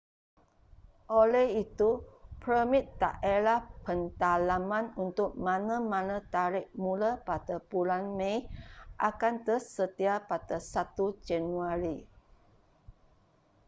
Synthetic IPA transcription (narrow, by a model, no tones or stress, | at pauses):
ʔolɛhit̪upɾəmɪt̪ːa̰ʔelahpənt̪alamãnunt̪ʊk̚mãnəmãnə̃t̪aɾɪʔmulapat̪əbulanmẽjʔakant̪əsət̪iapat̪əsat̪ud͡ʒanuaɾi